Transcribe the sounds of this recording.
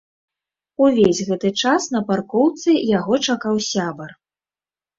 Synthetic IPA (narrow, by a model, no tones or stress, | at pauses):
uvʲezʲɣɛt̪ɨt͡ʂasn̪ɐparkɔwt̪sɨjaɣɔt͡ʂakawsʲabɐr